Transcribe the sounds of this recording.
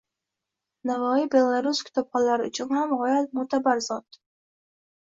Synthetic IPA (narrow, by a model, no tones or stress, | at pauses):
navɒibe̞lˠaɾuskʲʰɪ̥t̪ʰɒp̚qɒlaɾɪʊt͡ʃʰʊnhamʁɒjat̪̚mut̪ʰabaɾzɒt̪